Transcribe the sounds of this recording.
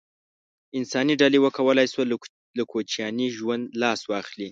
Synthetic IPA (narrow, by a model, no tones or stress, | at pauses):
ɪnsɑniɖalewəkawəlajswa | lakʰot͡ʃjɑniʒwand̪lɑswɑxli